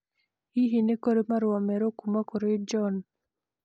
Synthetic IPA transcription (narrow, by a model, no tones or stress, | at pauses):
iɦinekoɾemaɾwamɛɾokumakoɾed͡ʒɔn